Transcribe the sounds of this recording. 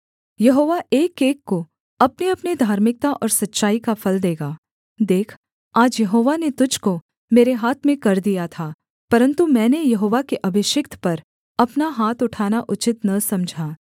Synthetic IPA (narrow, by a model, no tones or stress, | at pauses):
jɐɦoːʋaʔeːkeːkːo | ɐpniɐpnid̪ʱaːɾmɪk̚t̪aʔɔ̰ːɾsɐtːʃaːikafʰɐld̪eːɡaː | d̪eːkʰ | aːd͡ʒjɐɦoːʋanet̪ʊd͡ʒʱko | meːɾeɦaːt̪ʰmẽkɐɾd̪ijat̪ʰaː | pɐɾə̃nt̪umɛ̃ːnejɐɦoːʋakeʔɐbʱɪʃɪkt̪ʰpɐɾ | ɐpnaɦaːt̪ʊʈʰaːnaʔʊt͡ʃɪt̪nɐsɐ̃md͡ʒʱaː